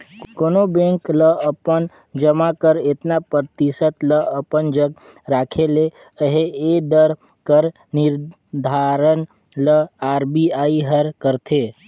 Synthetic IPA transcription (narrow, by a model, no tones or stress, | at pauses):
koːnobẽŋkləəpən | d͡ʒəmakəɾet̪napəɾt̪isət̪ləəpənd͡ʒəɡ | ɾaːkʰele | əɦeed̪əɾ | kəɾ | nɪɾ | d̪ʱaɾən | ləaːɾbiaːiɦəɾkəɾt̪ʰe